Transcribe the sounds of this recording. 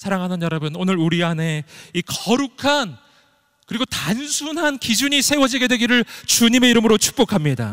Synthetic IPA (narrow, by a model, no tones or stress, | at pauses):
sʰaɾaŋɦanɯnjʌɾʌbɯnonɯɾuɾiane̞ikʌɾukʰan | kɯɾiɡotansʰunɦankid͡ʑuɲisʰe̞wʌd͡ʑiɡe̞dwe̞ɡiɾɯɭt͡ɕuɲime̞iɾɯmɯɾot͡ɕʰu̥k̚p͈okʰamɲida̰